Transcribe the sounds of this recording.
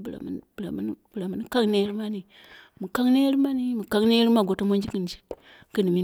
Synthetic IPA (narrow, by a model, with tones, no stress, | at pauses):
bla̰˨m˦nbla˨m˦n˦bla˨mu˦n˦ka˦ŋne˦ɾi˦ma˦ni˨ | mu˨ka˦ŋne˦ɾi˦ma˦ni˦mu˨ka˦ŋne˦ɾi˦ma˦˨ɡo˨to˦mo˦nd͡ʒi˦ki˨n˨d͡ʒi̥˦ | kɨ˦ni˨mi˦